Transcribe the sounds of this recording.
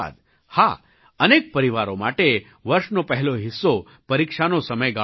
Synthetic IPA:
a̰d̪ | ha | ənek̚pəɾiʋaɾomaʈe | ʋəɾʃnopəɦɛloɦɪsːo | pəɾikʃanosəməjɡa

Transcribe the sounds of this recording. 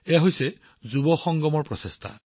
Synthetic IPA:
ɛɦojsɛ | zubɔxɔŋɡɔmɔɹpɹɔsestʰa̰

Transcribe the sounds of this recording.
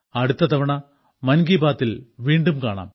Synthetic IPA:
ɐɽut̪ːɐt̪ɐʋɐɳɐ | mɐnɡiːbaːt̪ːilʋiːɳɖumkaːɳa̰ːm

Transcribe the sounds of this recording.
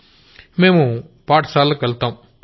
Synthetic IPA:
memũpaːʈsaːlɐkɐlt̪ːam

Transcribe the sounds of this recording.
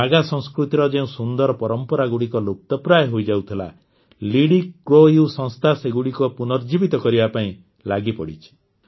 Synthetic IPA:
aɡasɔ̃ŋskɾut̪iɾɔd͡ʒeũsund̪ɔɾɔpɔɾɔmpɔɾaɡuɽikɔlup̚t̪ɔpɾajɦojd͡ʒawt̪ʰila̰ | liɽikɾojusɔ̃ŋst̪ʰaseɡuɽikɔpunɔɾd͡ʒibit̪ɔkɔɾibapaĩ | laɡipɔɽit͡ʃʰi̥

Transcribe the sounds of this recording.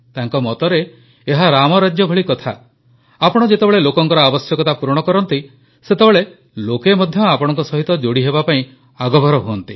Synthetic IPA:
t̪aŋkɔmɔt̪ɔɾeː | ɦaɾamɔɾad͡ʒjɔbʱɔɭikɔt̪ʰa̰ | apɔɽ̃ɔd͡ʒet̪ebeɭelokɔŋkɔɾɔabɔsjɔkɔt̪apuɾɔɽ̃ɔkɔɾɔnt̪i | set̪ebeɭe | lokemɔd̪ʱjɔapɔɽ̃ɔŋkɔsɔɦit̪ɔd͡ʒoɽiɦebapaĩ | aɡɔbʱɔɾɔɦuɔnt̪i

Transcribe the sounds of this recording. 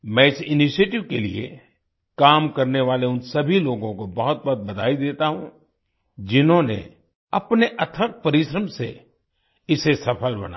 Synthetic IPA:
mɛ̃ɪsɪniʃeːʈɪʋkelḭḛ | kaːmkɐɾneʋaːleʊnsɐbʱiloːɡõkobɐɦʊt̪̚bɔɦt̪̚bɐd̪ʱaːid̪eːt̪aɦũ | d͡ʒɪnɦõnḛ | ɐpneʔɐt̪ʰək̚pɐɾɪʃɾəmsḛ | ɪsesɐpʰəlbɐ̰na̰

